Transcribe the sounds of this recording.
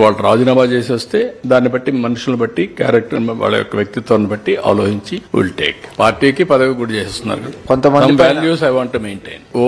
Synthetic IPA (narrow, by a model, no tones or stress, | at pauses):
ʋaːɭɐuɾaːd͡ʒinaːmaːt͡ʃeːs̬iʋɐst̪e̞ːd̪aːnːibɐʈːimɐnuʂulnibɐʈːikja̰ːɾek̚ʈɐʋa̰ːɭːɐ̰jɔ̰kːɐʋjɐk̚t̪it̪ʋɐːɾɐnibɐʈːia̰ːloːɦiɲt͡ʃiʋḭlʈḛːkpaːɾʈiːkipɐd̪ɐɡɐɡuɽit͡ʃeːsest̪unːa̰ːɾukɐd̪kont̪ɐmɐɐmʋaːljuːs̬ɐjʋaːɳʈːumeːɳʈḛjno